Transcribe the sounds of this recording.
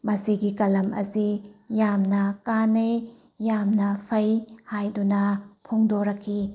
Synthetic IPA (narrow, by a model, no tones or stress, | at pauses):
mɐsiɡikɐlɐmɐ̰sijamnɐkanejː | amnɐpʰɐjhajdunɐpʰoŋdoɾɐkʰːi